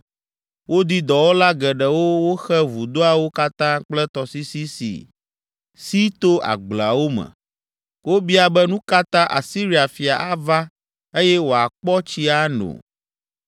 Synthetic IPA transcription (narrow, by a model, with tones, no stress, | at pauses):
wo˦d̪i˦d̪ɔ˨wo˦la˦ɡɛ˨ɖɛ˨wo˦wo˦xɛ˦vu˨d̪o˦a˨wo˦ka˦t̪ã˦k͡plɛ˦t̪ɔ˨si˦si˦sḭ˨ | si˦t̪o˦a̰˨ɡ͡bla˨wo˦mɛ̰˨ | wo˦bi˦a˨bɛ˦nũ˦ka˦t̪ã˦ʔa̰˨si˦ɾi˦a˨fi˨a̰˨ʔa˦va˦ | e˦jɛ˦wo˨a˨k͡pɔ˦t͡ɕi˦a˦nõ̰˨